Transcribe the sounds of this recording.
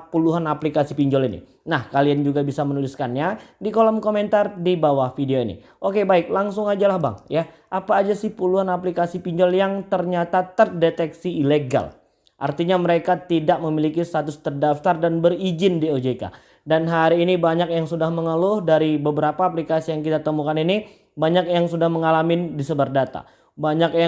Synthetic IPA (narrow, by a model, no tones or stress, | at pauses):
puluɦanaplikasipiɲd͡ʒɔlinḭ | nahkaliand͡ʒuɡabisamənuliskanɲadikolɔmkoment̪ardibawahfideoinḭ | ʔokebaɪk̚laŋsʊŋad͡ʒalahba̰ŋja | ʔapaːd͡ʒasɪhpuluɦanaplikasipiɲd͡ʒɔljaŋt̪ərɲat̪at̪ərdet̪ɛksiːleɡa̰l | ʔa̰rt̪iɲaməɾekat̪idaʔ̚məmilikist̪at̪ʊst̪ərdaft̪ardanbərid͡ʒɪndiod͡ʒeka̰ | danɦaɾiːnibaɲak̚jaŋsudahməŋəlʊhdaɾibəbəɾapaːplikasijaŋkit̪at̪əmukanini | baɲakjaŋsudahməŋalamɪndisəbardat̪a̰ | baɲakja